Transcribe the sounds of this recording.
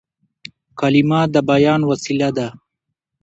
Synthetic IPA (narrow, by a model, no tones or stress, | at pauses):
kalimɑːd̪əbajɑːnwasilad̪a